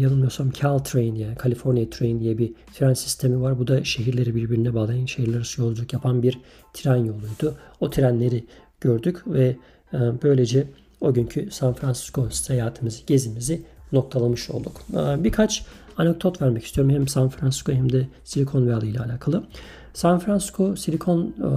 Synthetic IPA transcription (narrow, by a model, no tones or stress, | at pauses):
janɯnmɯjo̞ɾsamcʰalˠt̪ʰɾejinjaːnikʰalʲifo̞ɾnijat̪ʰɾejind̪ijɛbit̪ʰiɾænsi̥st̪ʰe̞mivaɾbud̪aʃe̞ɦiɾlʲe̞ɾibiɾbiɾinɛbaːlˠajanʃeɦiɾlʲˠaɾɯsɯjo̞lˠud͡ʒakjapʰanbiɾ | t̪ʰiɾænjo̞lˠujd̪̥uot̪ʰiɾænlʲe̞ɾi | ɟ̥øɾd̪ycvɛ | bø̞jlʲe̞d͡ʒɛ | o̞ɟyɲcʰysanfɾansi̥skʰo̞st̪hajaːt̪ʰɯmɯzɯ̥ɟe̞zimizino̞k̚t̪ʰalˠamɯʃo̞̰lˠd̪ukːbiɾkʰat͡ʃʰ | anɛk̚d̪ot̪væɾmɛcʰist̪ʰijo̞ɾumhɛmsanfɾansi̥skʰoɦɛmd̪ɛsilʲikʰo̞nvɛalˠɯjlʲaːlʲaːkʰalˠɯ | sanfɾansi̥skʰo̞silʲikʰo̞n